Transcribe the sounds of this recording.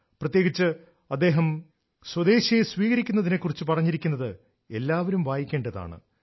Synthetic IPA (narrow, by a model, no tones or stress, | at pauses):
prɐt̪je̞ːɡit͡ɕːɨ | ɐd̪ːe̞ːɦɐm | swɐd̪e̞ːɕjɐjesʋiːɣɐɾikʲːunːɐðinekːurit͡ɕːɨpɐrɐɲːiɾikʲːunːɐðɨ | e̞lːaːʋɐɾumʋaːjikʲːe̞ːɳɖɐða̰ːɳɨ̰